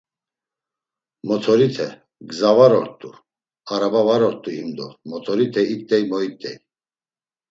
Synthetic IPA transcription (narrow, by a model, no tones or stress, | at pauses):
mɔt̪ʰɔɾit̪ʰɛ | ɡzavaɾɔɾt̪ʼu | aɾabavaɾɔɾt̪ʼuhimd̪ɔ̰mɔt̪ʰɔɾit̪ʰɛit̪ʼːɛjmɔit̪ʼɛ̰j